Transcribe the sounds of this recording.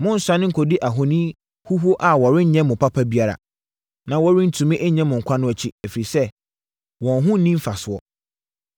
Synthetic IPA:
mʊ̃˦n̩˨˦sã˨˦nɪ̃˦ŋ̩˦˨kʰo˨di˦ʔa˨ɦɔ˨nĩ˦ | hu˦ɦu˦o˦ʔa˨wɔ˨ɾɪ˦ɲ̩˦ɲɛ̃˦mʊ̃˨pʰa˦pʰa˦bi˦a˨ɾa̰˨ | nã˨wɔ˦ɾɪ˦n̩˦tʰũ˨mɪ̃˦ʔɛ˦ɲɛ̃˦mʊ̃˨ŋ̩˨kʷʰa˦nʊ̃˦æ˨t͡ɕʰi˦æ˨fi˨ɾi˨sɛ˦ | wɔ̃˨nɦʊ̃˦n̩˦nːĩ˦m̩˦fa˨sʊ˨ɔ˨

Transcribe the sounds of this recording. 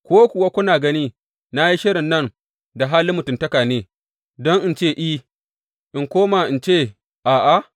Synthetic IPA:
kʷoː˦kʷʊ˨wa˦kʷʊ˦naː˨ɡɐ˦niː˦ | na˦ji˦ʃɪ˦ɽɪ˨nːɐ˦ŋ | da˨ɦaː˦lɪ˦mːʊ˨tʊ˨ntɐ˦kaː˨neː˦ | dɔ˦ŋʔɪ˦nt͡ʃeː˦˨ʔiː˦ | ʔɪ˨ŋkʷoː˦ma˨ʔɪ˨nt͡ʃeː˦˨ | ʔaː˨ʔa˨

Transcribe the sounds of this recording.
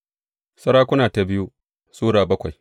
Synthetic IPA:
sɐ˦ɾaː˦kʷʊ˦naː˨ta˨bɪ˦ju˦ | sʼuː˦ɽaː˨bɐ˦kʷa˨j

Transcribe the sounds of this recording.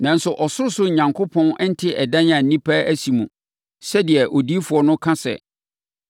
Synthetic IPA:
nã˨n̩˦sʊ˨ʔɔ˨sʊ˦ɾʊ˦sʊ˦˨ɲã˨ŋkʰo˦pʰɔ̃˦nɛ˦n̩˦tʰɪ˦ʔɛ˨dã˦nã˨n̩˦nĩ˦pʰaː˦ʔæ˦si˨mũ˨ | sɛ˦dɪ˨ɛ˨ʔo˨di˦fʊ˨ɔ˦nʊ̃˦kʰã˦sɛ̰˨

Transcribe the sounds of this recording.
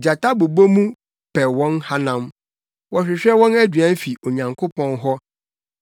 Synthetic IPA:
d͡ʑa˨tʰa˦bo˨bo˦mũ˦ | pʰɛ˨wɔ̃˦nha˦nã˦m | wɔ˨ɕᶣɪ˨ɕᶣɛ˦wɔ̃˦næ˦dᶣɥã˦n˦fi˨ʔo˨ɲã˨ŋkʰo˦pʰɔ̃˦nɦɔ˦

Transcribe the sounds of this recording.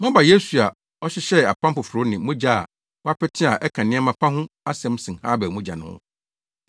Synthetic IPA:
mã˦ba˨je˦su˨a˨ | ɔ˦ɕɪ˦ɕɛ˦a˨pʰã˦mpʊ˨fɾʊ˨˦nɪ̃˨mũ˦d͡ʑa˦a̰˨ | wɔ˦a˦pɛ˦tʰɪ˦a˨ʔɛ˦kʰã˨nɪ̃˦ɛ˦mã˨pʰã˦hʊ̃˦a˦sɛ̃˨˦msɪ̃˨ŋhaː˦bæ˨mũ˦d͡ʑa̰˨nʊ̰̃˨˦ʊ̰̃˦

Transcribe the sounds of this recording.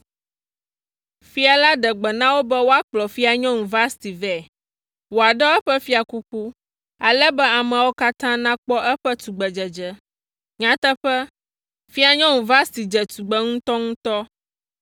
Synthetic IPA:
fi˦a˨la˦ɖɛ˨ɡ͡bɛ˨nã˦wo˦bɛ˦wo˦a˦k͡plɔ˨fi˦a˨ɲɔ̃˦ŋũ˨va˦st̪i˨vɛ˨ | wo˨a˨ɖɔ˦ɛ˦ɸɛ˦fi˦a˨ku˦ku˦ | a˨lɛ˦bɛ˦a˨mɛ̃˨wo˦ka˦t̪ã˦nã˦k͡pɔ˦ʔɛ˦ɸɛ˦t̪u˨ɡ͡bɛ˨d͡ʒɛ˨d͡ʒɛ˦ | ɲã˦t̪ɛ˦ɸɛ˦ | fi˦a˨ɲɔ̃˦ŋũ˨va˦st̪i˨d͡ʒɛ˨t̪u˨ɡ͡bɛ˦ŋũ˦t̪ɔ˦ŋũ˦t̪ɔ˦

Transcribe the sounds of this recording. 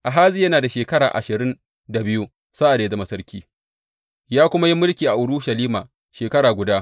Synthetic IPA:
ʔa˨ɦaː˦zi˨jɐ˦naː˨da˨ʃeː˨kɐ˦ɽa̰ː˨ʔa̰˨ʃɪ˨ɾɪ˦n | da˨bɪ˦ju˦ | saː˦ʔa˨da˨zɐ˦ma˨sɐ˦ɾkʲiː˦ | jaː˦kʷʊ˦ma˦ji˦mʊ˦lkʲiː˨ʔa˨ʔʊ˨ɽʊ˦ʃɐ˨liː˦maː˨ | ʃeː˨kɐ˦ɽaː˨ɡʷʊ˨daː˦

